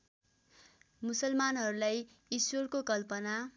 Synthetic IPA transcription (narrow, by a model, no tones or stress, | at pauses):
musʌlmanɦʌɾulaj | iswʌrkokʌlpʌna